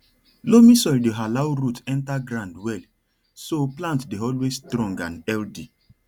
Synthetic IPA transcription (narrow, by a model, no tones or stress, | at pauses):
lomĩsɔldeɦalawɾutɛ̃ntaɡɾãndwɛl | soplãntdeɔlwesstɾɔ̃ŋɡã̰nɛldi